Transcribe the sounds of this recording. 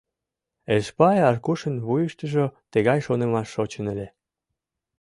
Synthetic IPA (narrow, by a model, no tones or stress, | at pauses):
eʃpɑeɑrkuʃə̆nʲβujəʃt̪ə̆ʒot̪əɣɑjʃonemɑʃːot͡ɕənə̆lʲe